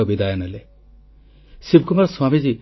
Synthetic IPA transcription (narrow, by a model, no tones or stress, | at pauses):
ɔbid̪ajɔnɛle | sib̚ʱkumaɾswamid͡ʒi